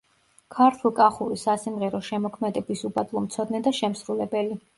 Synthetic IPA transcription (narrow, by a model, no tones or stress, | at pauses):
kʰaɾt̪ʰulˠkʼaχuɾisasimʁɛɾɔʃɛmɔkʰmɛd̪ɛbisubad̪ʼlˠɔmt̪sʰɔd̪nɛd̪aʃɛmsɾulɛbɛli